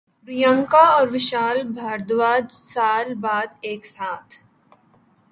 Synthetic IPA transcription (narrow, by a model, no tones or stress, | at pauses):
pɾijə̃ŋkaɔːɾʋɪʃaːlbʱaːɾd̪ʋaːd͡ʒsaːlbaːd̪eːksaːt̪ʰ